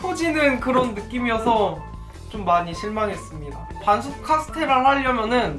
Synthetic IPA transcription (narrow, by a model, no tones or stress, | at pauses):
pʰod͡ʑinɯnkɯɾʌnːɯk͈imiʌsʰʌ | t͡ɕomːaɲiɕʰiɭmaŋɦe̞s͈ɯmɲida | pansʰup̚kʰasʰɯ̥tʰe̞ɾɯɭɦaʎːʌmjʌnɯn